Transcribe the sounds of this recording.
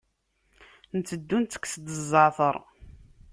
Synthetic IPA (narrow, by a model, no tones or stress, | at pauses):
nət͡sːəd̪ːunt̪ə̥kʷːsd̪əzˤːɑʕθəɾˤ